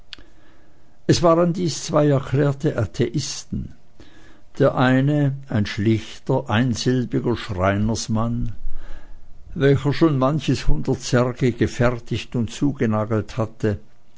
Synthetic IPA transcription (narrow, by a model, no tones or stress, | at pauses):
ʔɛsv̥aːʁəndiːst͡sv̥aɪɛɐkʰl̥ɛːɐtəʔatʰeʔɪstn̩ | d̥eːɐʔaɪnəaɪnʃlɪçtɐʔaɪnzɪlbɪɡɐʃʁaɪnəsman | vɛlçəʃoːnmançəshʊndɐtt͡sɛʁɡəɡ̥əfɛʁtɪçtʊntt͡suːɡənaːɡl̩thatə